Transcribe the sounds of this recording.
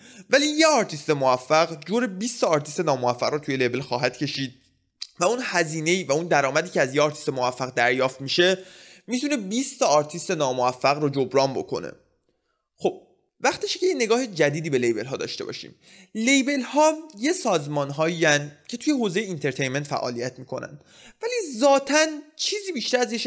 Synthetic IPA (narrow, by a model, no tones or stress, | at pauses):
væliːjeɒːɾt̪ʰist̪e̞movæfːæɣd͡ʒoɾebiːst̪ʰɒːɾt̪ʰist̪e̞nɒːmovæfːæ̰ʁrɾot̪ʰuje̞lebe̞lxɒːɦæd̪̥cʰe̞ʃiːd̪̥̚ | væunhæziːne̞iːvæund̪æɾɒːmæd̪iːcʰeæzjeɒːɾt̪ʰi̥st̪emovæfːæɣd̪æɾjɒːft̪miːʃe̞mit̪ʰunebiːst̪ʰɒːɾt̪ʰist̪e̞nɒːmovæfːæɣɾod͡ʒobɾɒːmbo̞̰kʰo̞̰nḛ | xo̞b̥̚ | væχt̪eʃcʰejene̞ɡɒːhe̞d͡ʒæd̪iːd̪iːbe̞le̞jbe̞lɦɒːd̪ɒ̰ːʃt̪e̞bɒ̰ːʃḭːm | le̞jbe̞lhɒːje̞sɒːzmɒːnɦɒːiænd̪cʰe̞t̪ʰuje̞ɦoːze̞jeint̪ʰe̞ɾt̪ʰe̞jnment̪fæ̰ʔːɒ̰ːlijæt̪ʰmikʰo̞̰næ̰nd̪̥ | vælizɒːt̪ʰænt͡ʃʰiːziːbiːʃt̪æɾæzjeʃ